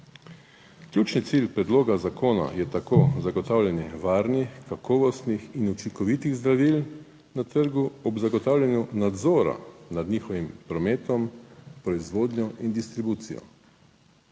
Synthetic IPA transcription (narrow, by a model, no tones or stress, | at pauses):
klʲjuːt͡ʃnit̪silpɾɛd̪loːɡazakoːna̰jɛt̪akozaɡɔt̪aːwlʲjɛnjɛʋaːɾnixkakʰɔːʋɔst̪nixinut͡ʃiŋkɔʋit̪iɣzd̪ɾaʋil | nat̪əɾɡuɔbzaɡɔt̪aːwlʲjanjunad̪zɔːɾa̰nad̪ɲiːxɔʋimpɾɔmeːt̪ɔmpɾɔizʋoːd̪nɔind̪ist̪ɾibuːt̪sḭjɔ̰